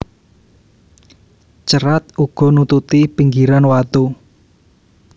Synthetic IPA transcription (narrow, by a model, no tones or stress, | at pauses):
t͡ʃəɾat̪uɡ̥ɔ̤nut̪ut̪ipiŋɡiɾanwat̪u